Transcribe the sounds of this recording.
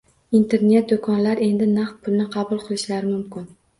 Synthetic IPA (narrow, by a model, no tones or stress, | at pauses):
int̪ʰe̞ɾne̞t̪̚d̪ʊkʰɒnlaɾe̞nd̪ɪnaχt̪̚pʰʊlnɪqʰɑbʊlˠqʰɨlˠɪʃlaɾɪmʊmkʲɪn